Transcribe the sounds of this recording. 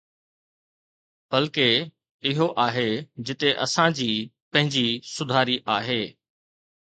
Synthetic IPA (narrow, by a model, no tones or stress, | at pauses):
b̥ɐlke | ɪɦoʔaːɦed͡ʑɪt̪eʔɐsãd͡ʑiː | pɐ̃ɦɪ̃ɲd͡ʑisʊd̪ʱaːɾiʔaːɦeː